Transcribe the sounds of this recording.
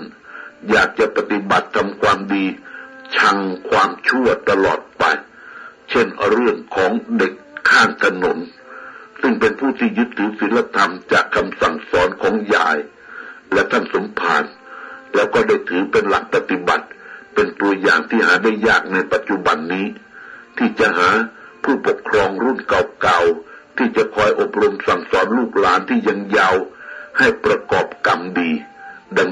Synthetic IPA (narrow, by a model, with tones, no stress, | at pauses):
jaː˨˩k̚t͡ɕa˨˩pa˧t̪i˨˧˩ba˨˩t̪ʰːa˧mkʰwaː˧mdiː˧t͡ɕʰa˧ŋkʰwaː˧mt͡ɕʰu˥˩ət̪ːa˧lɔ̰ː˨˩t̪̚pa˧j | t͡ɕʰe˥˩nɾɯ˥˩əŋkʰɔː˩˦ŋde˨˩kʰːaː˥˩ŋt̪ʰa˧no˩˦n | sɯ˥˩ŋpe˧npʰuː˥˩t̪ʰiː˥˩jɯ˦˥t̪ʰːɯː˨˦˥si˨˦nla˧t̪ʰa˧mt͡ɕaː˨˩kʰːa˧msa˨˩ŋsɔː˨˦˥nkʰɔː˩˦ŋja̰ː˨˧˩j | lɛ˦˥t̪ʰa˥˩nso˨˩˦mpʰa̰ː˧n | lɛː˦˥wkɔː˧˩da˥˩jt̪ʰɯː˨˦pe˧nla˨˦˩k̚pa˧t̪i˧˦ba̰˨˩t̪̚pe˧nt̪u˧ɐjaː˨˩ŋt̪ʰiː˥˩haː˨˩˦da˥˩jːaː˥˩k̚na˧jpa˨˧t̪̚t͡ɕu˧˥ba˧nːiː˦˥t̪ʰiː˧˩t͡ɕa˧haː˩˦pʰuː˥˩po˨˩kʰːɾɔː˧ŋɾuː˥˩nka˨˩wka˨˧˩wt̪ʰiː˧˩t͡ɕa˨˧˨kʰɔː˧jʔo˧˩p̚ɾo˧msa˨˩ŋsɔː˨˦nluː˥˩k̚laː˨˦nt̪ʰiː˥˩ɲa˧ŋja˧wha˥˩jpɾa˧kɔː˨˩p̚ka˧˩mdiː˧da˧ŋ